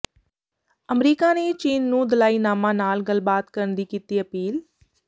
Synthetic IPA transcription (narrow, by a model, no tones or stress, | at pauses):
əmɾiːkaːneːt͡ʃiːnːũːd̪əlaːiːnaːmãːnaːlɡəlbaːt̪kəɾənd̪iːkiːt̪iːəpiːl